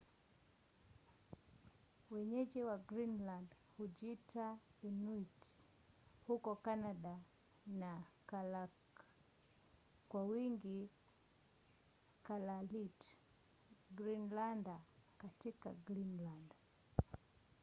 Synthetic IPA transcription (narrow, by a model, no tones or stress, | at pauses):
wɛɲɛʄiwaɡɾinland | huʄitaɛnuit | hukɔkanaɗa | nakala | kwawiŋɡi | kalalit | ɡɾinlandakatika̰ɡɾinland